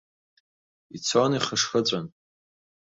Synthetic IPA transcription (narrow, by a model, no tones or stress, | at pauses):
it͡sʰoniχəʂxət͡sʷʼan